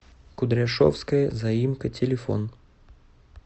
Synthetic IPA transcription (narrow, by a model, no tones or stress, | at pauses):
kʊd̪ɾʲaʂɔ̰wskəjəzɐjimkətʲelʲɪfɔ̰n